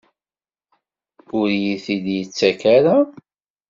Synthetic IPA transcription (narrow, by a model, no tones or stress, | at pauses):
ʊɾjiθiljət͡sːækaɾa